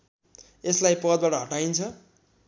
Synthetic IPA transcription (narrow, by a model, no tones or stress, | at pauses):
eslajpʌd̪̚baʈʌɦʌʈaint͡sʰʌ